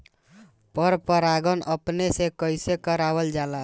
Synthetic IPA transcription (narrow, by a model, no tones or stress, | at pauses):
pəɾpəɾaɡənʔəpnesekəɪsekəɾabəld͡ʒala